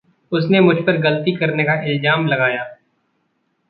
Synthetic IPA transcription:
ʊsnemʊd͡ʒʱpɐɾɡɐlt̪ikɐɾnekaʔɪlzaːmlɐɡaːjaː

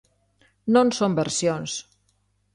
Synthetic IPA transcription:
nonsombəɾsjons

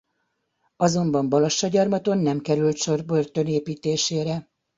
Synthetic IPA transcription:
ɒzo̞mbɒmbɒlɒʃːɒɟɒrmɒt̪o̞nːɛmkɛɾylt̪ʃo̞rbø̞rt̪ø̞neːpiːt̪eːʃeːɾɛ

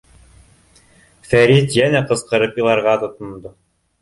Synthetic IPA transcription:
fæɾit̪jænæqɤ̆sqɤ̆ɾɤpjilˠɑɾʁɑt̪ŏt̪ŏnd̪o

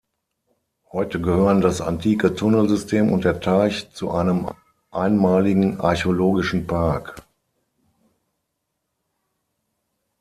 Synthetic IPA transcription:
hɔʏtəɡəhøːʁəndasa̰ntʰiːkətʰʊnəl̩zʏstʰeːmʊ̰nt̚d̥eːɐtʰaɪçt͡suʔaɪnəm | ʔaɪnmaːlɪɡŋ̩ʔa̰ɐçoloːɡɪʃn̩pʰaɐk

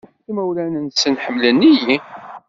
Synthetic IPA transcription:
ħkːməwlænənsənħəmːlənːiji

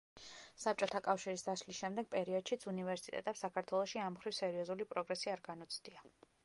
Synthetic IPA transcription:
sap̚t͡ʃʼɔt̪ʰakʼafʃiɾisd̪aslisʃɛmd̪ɛɡ̥̚pʼɛɾiɔd̪̥ʃit̪sʰunivɛɾsit̪ʼɛ̰t̪ʼɛpsakʰaɾt̪ʰwɛlˠɔʃiamχɾivsɛɾiɔzulipʼɾɔɡɾɛsiaɾɡanɔt̪sʰd̪̥ia

